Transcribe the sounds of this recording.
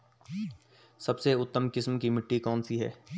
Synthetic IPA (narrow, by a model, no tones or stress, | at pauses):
sɐbseʊt̪ːəmkɪsmkimɪʈːikɔːnsiɦɛ̰ː